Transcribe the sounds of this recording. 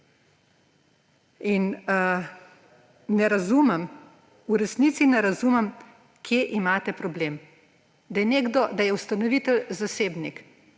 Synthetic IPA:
in | nɛɾazumɛm | uɾɛsnit̪sinɛɾazuːmɛm | kʰjeʔimaːt̪ɛpɾɔbleːm | d̪ajɛneːɡd̪ɔd̪ajɛust̪anɔʋit̪ɛlzaseːbnik

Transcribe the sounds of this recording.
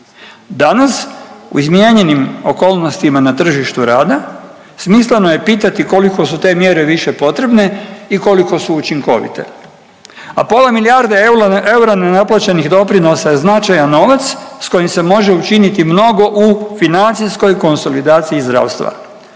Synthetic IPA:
d̪anasṵizmije̞ɲe̞nimo̞ko̞ːlˠno̞st̪imanat̪r̩ʒiʃt̪uɾaːd̪a | smisleno̞je̞piːt̪at̪iko̞liko̞sut̪e̞ːmje̞ɾe̞ʋiʃe̞po̞t̪ɾe̞bne̞iko̞liko̞suːt͡ʃiŋko̞̰ʋḭt̪e̞̰ | a̰po̞lamilijaɾd̪e̞uae̞uɾanenaplˠat͡ɕeniɣd̪o̞pɾino̞sajeznat͡ʃajano̞ʋat̪ssko̞jimse̞mo̞ʒe̞ut͡ʃinit̪imno̞ɡo̞ʔufinant̪sijsko̞jko̞nso̞lid̪aːt̪siːzd̪ɾa̰ːʋwst̪ʋa̰

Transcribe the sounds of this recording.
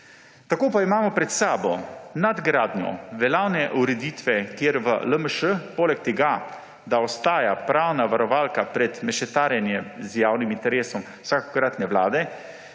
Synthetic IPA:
t̪akoːpaimaːmɔpɾɛt̪saːbɔnad̪ɡɾaːd̪njɔ̰ʋɛlaːwnɛʔuɾɛd̪iːt̪ʋɛkjeɾʋə̰ləməʃəpoːlɛk̚t̪ɛɡa | d̪aɔst̪aːjapɾaːwnaʋaɾɔʋaːlkapɾɛt̪mɛʃɛt̪aːɾjɛnjɛzjaːwnimint̪ɛɾeːsɔm | wsako̥kɾat̪nɛʋlaːd̪ɛ

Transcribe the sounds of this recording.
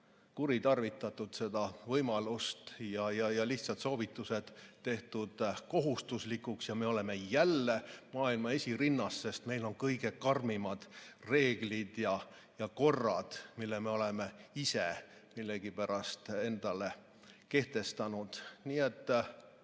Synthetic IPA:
kuɾit̪ɑrvit̪ːˑɑt̪ːˑud̪̥se̞d̪̥ɑvɤjmɑlust̪jɑjɑjɑliçt̪sɑt̪so̞ːvit̪ːˑuse̞d̪̥t̪ːe̞ht̪ud̪̥ko̞ɦust̪uslikˑuksjɑme̞o̞le̞me̞jælːe̞mɑːilmɑe̞sʲiɾinːɑsːe̞st̪me̞jlo̞nkɤjɡe̞kɑrmimɑd̪̥re̞ːɡ̥lid̪̥jɑ | jɑko̞rːɑ̰d̪̥milːeme̞o̞leme̞isemilːeɡ̥ipæɾɑst̪e̞nd̪̥ɑle̞ | ke̞ht̪e̞st̪ɑnud̪̥niːe̞t̪ː

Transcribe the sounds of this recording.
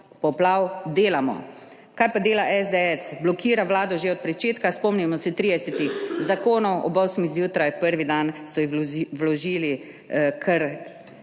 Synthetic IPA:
pɔplawd̪eːlamɔ̰ | kajpad̪eːlaʔɛzd̪ɛɛsblɔkʰiːɾaʋlaːd̪ɔʒeɔt̪̚pɾɛt͡ʃeːt̪kaspɔmnimɔsɛt̪ɾiːd̪ɛsɛt̪ixzakoːnɔwʔɔbɔsmizjuːt̪ɾajpəɾʋid̪ansɔiʋlɔʒiːli | kʰɛɾ

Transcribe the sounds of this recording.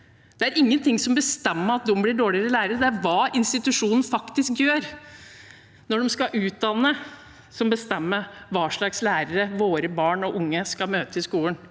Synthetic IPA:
d̪̥ɛæɾɪŋːənt̪ʰɪŋsɔmbəst̪ɛmːəɑt̪̚d̪ɔmblɪɖoːɭɪəɾəlæːɾəɾəd̪ɛæɾʋɑːʔɪnst̪ɪt̪ʉʂuːnən̩fɑkt̪ɪskjøːɾ | nɔɖɛmskɑʔʉːt̪̚d̪ɑnːə | sɔmbəst̪ɛmːəʋɑːʂɭɑkslæːɾəɾəʋoːɾəbɑːɳɔʔʊŋːəskɑmøːt̪əɪskuːlən

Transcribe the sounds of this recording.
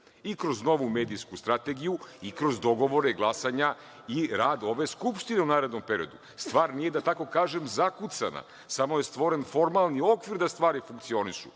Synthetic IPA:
ikɾo̞zno̞ʋume̞ːd̪iskust̪ɾat̪eɡijuikɾo̞zd̪o̞ɡo̞ʋo̞ɾe̞ɡlˠasaɲa | iɾaːd̪o̞ʋe̞skupʃt̪ine̞unaːɾed̪no̞mpeɾio̞̰d̪u | st̪ʋaːɾnije̞d̪at̪ako̞kaːʒe̞mzakut̪sa̰na̰ | samo̞je̞st̪ʋo̞ɾe̞nfo̞ɾmalˠnio̞kʋiɾd̪ast̪ʋaːɾifuŋk̚t̪sio̞niʃṵ

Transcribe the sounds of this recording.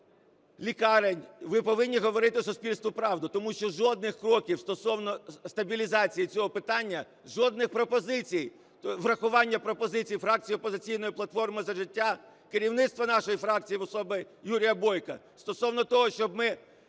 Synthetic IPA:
lʲikɑɾenʲʋɪpɔʋɪnʲːiɦɔʋɔɾɪt̪ɪsʊspʲilʲst̪ʋʊpɾɑwd̪ʊt̪ɔmuʃt͡ʃɔʒɔd̪nɪxkɾɔkʲiwst̪ɔsɔwnɔst̪ɐbʲilʲizɑt͡sʲijit͡sʲɔɦɔpɪt̪ɑnʲːɐ | ʒɔd̪̚nɪxpɾɔpɔzɪt͡sʲij | ʋrɐxʊʋɑnʲːɐpɾɔpɔzɪt͡sʲijifɾɑk̚t͡sʲijɔpːɔzɪt͡sʲijnɔjiplˠɐt̪fɔrmɪzɐʒɪtʲːa | kɪɾʲiwnɪt̪st̪ʋɐnɑʃɔjifɾɑk̚t͡sʲijiʋɔsɔbɪ | juɾʲijɐbɔjkɐ | st̪ɔsɔwnɔt̪ɔɦɔʃt͡ʃɔb̚mɪ

